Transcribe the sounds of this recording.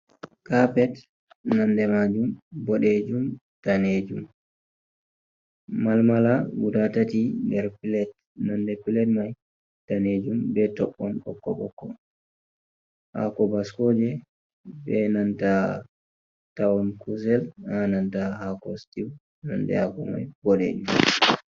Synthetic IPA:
kapɛt | nandɛmad͡ʒumbɔɗed͡ʒum | taned͡ʒum | malmalawudatatindɛɾpilɛt | nandɛpilɛt̚maj | taned͡ʒumbɛtɔɓːɔnɔ̰kːɔɓɔkːɔ | ha̰kɔbaskɔd͡ʒɛ | bɛnanta | tawɔnkusɛlhanantaɦakɔstiw | nɔndɛ̰hakɔma̰jbɔɗḛd͡ʒum

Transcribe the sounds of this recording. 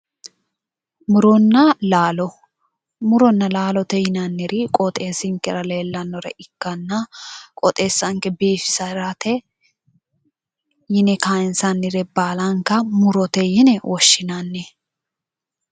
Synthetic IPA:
mʊɾɔnːɐlaːlɔ | mʊɾɔnːɐlaːlɔt̪ɛjɪnɐnːɪɾɪkʼɔt̪ʼeːsɪŋkɛɾɐle̞ːlːɐnːɔɾɛ̰ʔɪkːɐnːɐkʼɔt̪ʼeːsːɐŋkɛbiːfɪ̥sɐɾɐt̪ɛ | jɪnɛkaːɪnsɐnːɪɾɛbaːlɐŋkɐmʊɾɔt̪ɛjɪnɛwʔɔʃːɪnɐnːɛ

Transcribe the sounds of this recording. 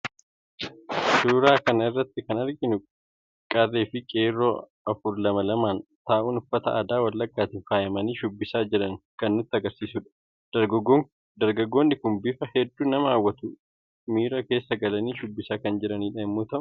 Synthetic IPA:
suːɾaːkɐnɐɪrːɐt̪ːɪkɐnɐɾɡɪnʊ | kʼɐrːeːfɪkʼeːrːoː | ɐfʊɾlɐmɐlɐmaːnt̪aːʔʊnʊfːɐt̪ɐʔa̰ːd̪aːwɐlːɐɡːaːt̪ɪfaːjɐmɐniːʃʊbːɪsaːd͡ʒɪɾɐŋkɐnːʊt̪ːɪɐɡɐɾsiːsʊᶑɐ̥ | ɐ | d̪ɐɾɡɐɡːo̞ːnːɪkʊnbɪfɐhɛd̪ːuːnɐmɐaːwːɐt̪ʊ | miːɾɐke̞ːsːɐɡɐlɐniːʃʊbːɪsaːkɐnd͡ʒɪɾɐniːᶑɐɛmːoːt̪ɐʔʊ̥ʊ

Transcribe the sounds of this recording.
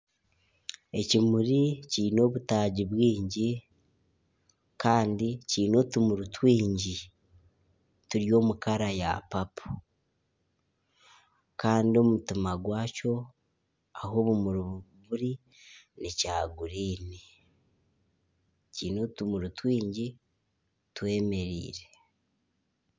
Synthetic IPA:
e̞cimuɾiciːno̞ːβutaːɟiβwiːɲɟi | kaːndiciːno̞tumuɾutwiːɲɟi | tuɾjo̞ːmukaɾaja̰papʰu̥ | kaːndio̞mutimaɡwaːco̞ | aɦo̞βumuɾuββuɾi | nicaːɡuɾiːni | ciːno̞ːtumuɾutwiːɲɟi | twe̞ːme̞ɾḭːɾe̞

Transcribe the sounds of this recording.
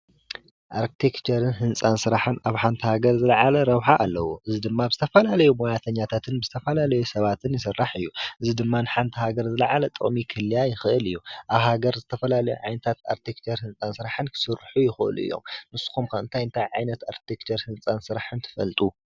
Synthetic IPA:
ʔaɾkt̪ʰekt͡ʃɐɾɨnɦɨnt͡sʼansɨɾaħɨnaβħant̪ʰihaɡɐɾzɨlaʕalɐɾɐβħaʔalːɐwoʔɨzid̪ɨmːazɨt̪ʰɐfɐlalɐjumojat̪ʰɐɲːat̪ʰat̪ʰɨnbɨzɨt̪ʰɐfɐlalɐjusɐβat̪ʰɨnjɪs̬ɨrːaħɨjːuʔɨzid̪ɨmːanɨħant̪ʰihaɡɐɾzɨlɐʕalɐt̪ʼɨ̰χʼmikʰɨlːijajɪxɨʔɨlɨjːuʔaβhaɡɐɾzɨt̪ʰɐfɐlalɐjuʕajnɐt̪ʰat̪a̰ɾt̪ʰekt͡ʃʰɐɾhɨnt͡sʼansɨɾaħɨnkʰɨ̥sɨɾħujɪxɨʔɨ̰lṵɨ̰jːo̰mnɨsːu̥kumkʰɐɨnt̪ʰajɨnt̪ʰajʕajnɐt̪aɾkt̪ʰekt͡ʃʰɐɾhɨnt͡sʼansɨɾaħɨnt̪ʰɨ̥fɐ̰lt̪ʼu

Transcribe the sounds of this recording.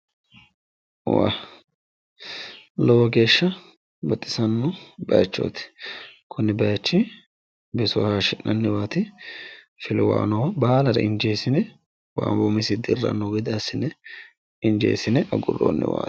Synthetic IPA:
wa̰ | lɔwɐɡe̞ːʃːɐ | bɐt̪ʼːɪ̥sɐnːɔbɐjɐt͡ʃːo̰ːt̪ɪ̥kʰʊnːɪbɐjɐt͡ʃːɪ | bɪsʊhaːʃɪnːɐnːɪwaːt̪ɪ | fɪlɪwa̰ːnɔːbaːlɐɾɐ̰ʔɪnd͡ʒeːsɪnɛ | wa̰ːmbʊmɪsɪd̪ɪrːɐ̰nːɔɡɪd̪ɪɐsːɪnɛ | ɪnd͡ʒḛːsɪnɛʔɐɡʊ̰rːo̰ːnːɪ̰wa̰̥ː

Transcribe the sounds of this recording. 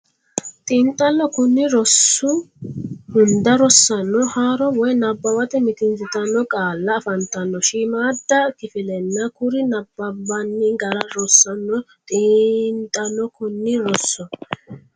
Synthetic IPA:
t̪ʼiːnt̪ʼːɐlːɔkʊnːɪɾɔsːʊ | hʊnd̪ɐɾɔsːɐnːɔhaːɾɔwɔjnɐbːɐwɐt̪ɛmɪt̪ɪnzɪt̪ɐnːɔkʼaːlːɐːfɐnt̪ɐnːɔʃiːmaːd̪ːɐkɪfɪlɛnːɐkʊɾɪnɐbːɐbɐnːɪɡɐɾɐɾɔsːɐnːɔ | t̪ʼiːnt̪ʼɐlːɔkʊnːɪɾɔsːɔ

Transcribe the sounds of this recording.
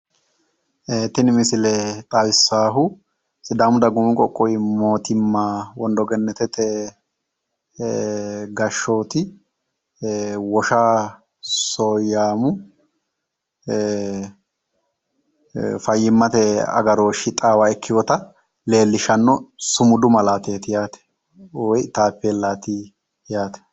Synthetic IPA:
ʔeːt̪ːɪnmɪsɪlɛt̪ʼawɪsːaːɦʊ | sɪd̪aːmʊd̪ɐɡʊmɪkʼɔkʼːɔjɪmo̞ːt̪ɪmːawɔnd̪ɔɡɛnːɛt̪ɛt̪ɛ | ɡɐʃːo̞ːt̪ɪ | wɔʃaː | soːjːaːmʊ | fɐjːɪmːɐt̪ɛɐ̰ɡɐɾo̞ːʃɪt̪ʼaːwaɛkʰːɪjɔt̪ɐ | le̞ːlːɪʃɐnːɔsʊmʊd̪ʊmɐlaːt̪eːt̪ɪjaːt̪ɛ̥ | ɔjt̪aːpːeːlaːt̪ɪ | jaːt̪ɛ̥

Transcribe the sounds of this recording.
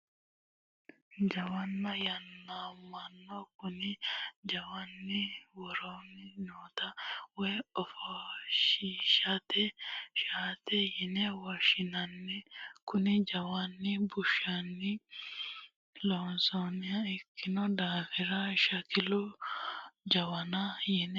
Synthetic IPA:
d͡ʒɐwɐnːɐjɐnːamɐnːɔkʊnɪd͡ʒɐwanːɪwɔɾonːɪnoːt̪ɐwɔjɔfɔʃiʃɐt̪ɛʃaːt̪ɛjɪnɛwɐʃɪnɐnːɛkʊnɪd͡ʒɐwɐnːɪbʊʃːɐnːɪ | lɔnsonɪɐɪkʰːɪnɔd̪aːfɪɾɐʃɐkɪlɔ | d͡ʒɐwɐnɐjɪn

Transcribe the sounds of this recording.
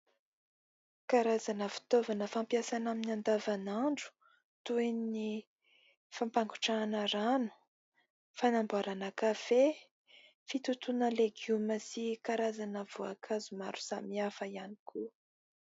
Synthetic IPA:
kaɾazanəfi̥t̪ovanəfampiasanaminand̪avanaɳɖ͡ʐu̥ | t̪uenni | fampaŋɡu̥ʈ͡ʂanəɾanu̥ | fanambuaɾanakafe | fit̪ut̪unəleɡuməsikaɾazanəv̥uakʰazuma̰ɾu̥samiafəiani̥kʰu

